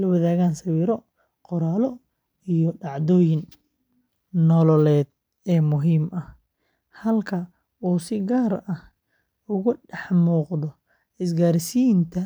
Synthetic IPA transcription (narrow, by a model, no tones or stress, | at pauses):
lɐwɐðaːɣaːnsɐwiːɾɔ | qʊɾaːlɔ | ijɔɖɑʕd̪ɔːjɪn | nɔlɔlɛːd̪̚ | ɛːmʊɦiːmɐh | hɐlkʰɐ | uːsɪɡaːɾɐh | ʊɣʊɖɑħmuːqðɔ | ɪs̬ɡaːɾɪsijnt̪ʰɐ